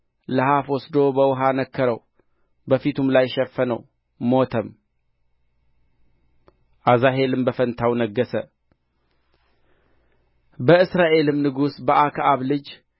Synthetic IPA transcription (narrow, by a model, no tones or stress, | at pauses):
ləhafwɔsd̪o̞bəwɦanəkʰːəɾəw | bəfit̪ʰumlajʃɛfːənəw | mo̞t̪ʰəm | ʔazaɦe̞lɨmbəfənt̪ʰawnəɡːəsə | bəɨsɾaʔe̞lɨmnɨɡusbəʔakʰaβlɨd͡ʒ